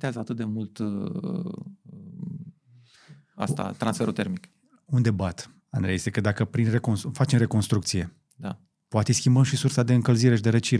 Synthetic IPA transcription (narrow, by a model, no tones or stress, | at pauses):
t̪eazəat̪ɨt̪̚d̪e̞mult̪ | a̰st̪a̰t̪ɾansfe̞ɾut̪eɾmik | und̪e̞bat̪ | a̰nd̪ɾeesekəd̪akəpɾinre̞konsfat͡ʃemre̞ko̞nst̪ɾukt̪sije̞ | d̪a | poat̪eskʲimbəmʃisursad̪eɨŋkəlziɾe̞ʃid̪e̞ɾət͡ʃiɾe